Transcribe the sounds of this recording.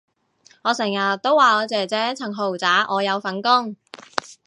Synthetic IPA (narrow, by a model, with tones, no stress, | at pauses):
ŋɔː˨˧sɛ˨˩ŋjɐ˨t̪o˥wːaː˨ɔː˨˧t͡sɛː˨˩t͡sɛː˨˥t͡sʰɐ˨˩ŋɦo˨˩wt͡saː˨˥ʔɔː˨˧jɐ˨˧wfɐ˨˥nkʊ˥ŋ